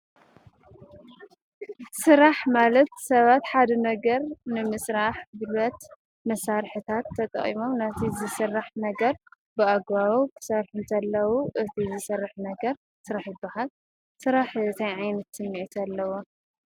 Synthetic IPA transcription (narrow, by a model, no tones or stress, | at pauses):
sɨɾaħmalɐt̪sɐβat̪ħad̪ɐnɐɡɐɾnɨmɨsɾaħbɨlɐt̪ | mɐsːaɾħɨt̪ʰat̪ʰːɐt̪ʼɐ̰χʼḭmo̞mnat̪ʰizɨsɨrːaħnɐɡɐɾ | bɨaɡβaβukʰɨ̥sɐɾħunt̪ʰɐlːɐwuʔɨt̪ʰizɨsɐrːaħnɐɡɐɾ | sɨɾaħjɪbːahal | sɨɾaħt̪ʰajʕajnɐt̪sɨmːiʕit̪ʰalːɐwo